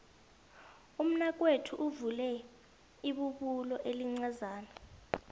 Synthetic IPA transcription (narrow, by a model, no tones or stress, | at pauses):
um̩nak̬ʼwetʰuʔuvulɛ | iɓuɓulɔʔeliŋ͡ǀazaːna